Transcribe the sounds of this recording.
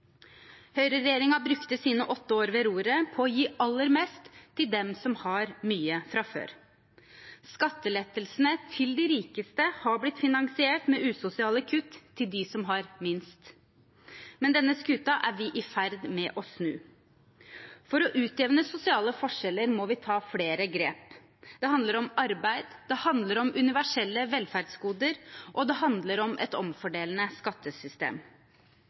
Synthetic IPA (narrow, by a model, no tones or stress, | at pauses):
hœʏɾəɾɛjeːɾɪŋɑbɾʉkt̪əsiːnəʔɔt̪ːəoːɾʋɛɾuːɾəpʰɔːjiːʔɑlːəɾmeːst̪ʰːɪld̪ɛmsɔmhɑɾmyːəfɾɑfø̰ːɾ | skɑt̪ːəlɛt̪ːəlsənət̪ʰɪld̪ɪɾiːkəst̪əhɑblɪt̪ːfɪnɑŋsɪeːʈmɛʔʉːsʊsɪɑːləkʰʉt̪ʰːɪld̪ɪsɔmɦɑɾmɪnst̪ | mɛnd̪ɛnːəskʉt̪ɑʔæɾʋɪʔɪfæɾd̪mɛʔɔsnʉ̰ː | fɔɾɔʔʉːt̪eːʋnəsʊsɪɑːləfɔʂɛlːəɾmɔʋɪt̪ʰɑːfɽeːɾəɡɾeːp | d̪ɛɦɑnd̪ləɾɔmɑɾbæɪd̪d̪ɛhɑnd̪ləɾɔmʔʉnɪʋæʂɛlːəʋɛlfæɾɖsɡuːd̪əɾʔɔd̪ɛɦɑnd̪ləɾɔmʔɛ̰t̪ɔmfɔɖeːlənəskɑt̪ːəsʏst̪ḛːm